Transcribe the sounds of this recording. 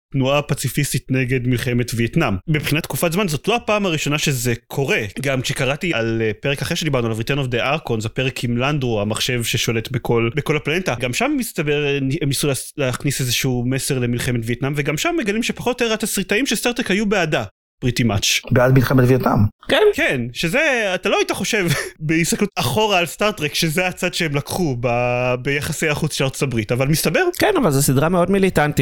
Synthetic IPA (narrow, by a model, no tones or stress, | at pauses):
tnuapat͡sifistitne̞ɡe̞dmilχeme̞tvietnambibχinat̪kufatzmanzot̪lo̞apaːmhaʁiʃo̞naʃezekʰo̞ʁe̞ɡamkʃekaʁatialpeʁekaχeʃed̪ibaʁnualavʁit̪anovd̪eʔaʁkonzapeʁekʰimlandoamaχʃe̞vʃeʃo̞le̞t̪bekʰo̞lbeko̞laplanetaɡamʃammist̪abeʁemnisulleaχnisezeʃuumese̞ʁle̞milχemetvietnamveɡamʃamːeɡalimʃepaχotjoteʁatasʁitaimʃest̪aʁt̪ʁekhajubeada | b̥ʁitimat͡ʃbeadmilχemetvijetnamkenkenʃezeatalo̞aitaχo̞ʃe̞vbeist̪aklutaχo̞ʁaːlstaʁtʁekʃezeat͡sad̪ʃeemlakχubabejaχasejaχut͡sʃeaʁtt͡sotabʁitavalmist̪abeʁkenavalzesidʁameo̞dmilitanti